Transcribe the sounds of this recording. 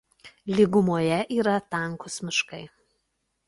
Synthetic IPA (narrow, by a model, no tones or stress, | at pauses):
lʲɪɡʊmoːjɛʔiːɾɐt̪ɐˑŋˑkʊsmʲɪʃkɐɪ